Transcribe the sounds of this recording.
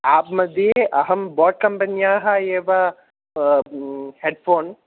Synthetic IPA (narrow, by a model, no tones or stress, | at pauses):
aːp̚mɐd̪jeʔɐɦɐmbɔːʈ̚kɐmpɐnjaːɦɐeːʋa | heːɖfoːn